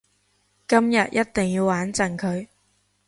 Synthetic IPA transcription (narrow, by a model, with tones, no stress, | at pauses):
kɐ˥mjɐ˨t̚jɐ˥t̚t̪ɪ˨˩ŋjiː˧waː˨˥nt͡sɐ˨˩nkʰɵ˨˧ɥ